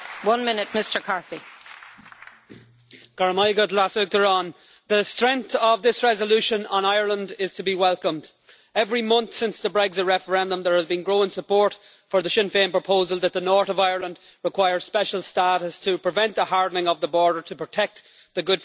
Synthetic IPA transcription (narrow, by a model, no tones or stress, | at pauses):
wʌ̃nmɪnɪt̚mɪstə˞kʰɑɹθi | ɡ̥ɑɹəmaɪɡədlasɪk̚ðə˞ə̃n | ðəstɹ̥ɛ̃ŋθəvðɪsɹɛzəlʉʃə̃nə̰̃naɪə˞lə̃ndɪz̥tʰəbiwɛlˠkə̃md | ɛvɹimʌ̃nθsɪ̃nsðəbɹɛɡzəd̚ɹɛfə˞ɛ̃ndə̃mðə˞həzbĩnɡɹoʊɪ̃nsəpʰɔɹt | fə˞ðəʃɪ̃nfẽnpɹ̥əpʰoʊzəlˠðət̪̚ðənɔɹɾəvaɪə˞lə̃nd | ɹɪkʰw̥aɪə˞z̥spɛʃəlˠstaɾəstʰəpʰɹ̥ɪvɛ̃nðəhaɹdⁿnɪ̃ŋəvðəbɔɹdə˞tʰəpɹ̥ətʰɛk̚t̪ | ðəɡʊd̥